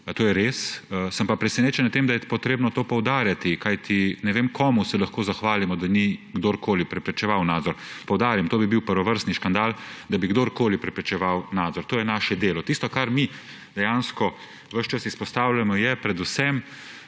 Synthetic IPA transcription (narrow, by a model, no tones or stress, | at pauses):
t̪oːjɛɾeːssəmpapɾɛsɛneːt͡ʃɛnt̪eːmd̪ajɛpɔt̪ɾeːbnɔt̪oːpɔwd̪aːɾjat̪ikajt̪ʰinɛʋeːmkʰɔːmusɛlɐxkoːzaxʋaːlimɔd̪aniɡd̪oːɾkoːlipɾɛpɾɛt͡ʃɛʋawnaːd̪zɔɾpɔwd̪aːɾjamt̪oːbibiwpəɾʋɔʋəɾst̪niʃkand̪aːld̪abiɡd̪oːɾkoːlipɾɛpɾɛt͡ʃɛʋawnaːd̪zɔɾt̪oːjɛnaːʃɛd̪eːlɔt̪ist̪ɔkaɾmi | d̪ɛjaːnskɔ | ʋəʃt͡ʃasispɔst̪aːwlamɔjɛpɾɛd̪usɛm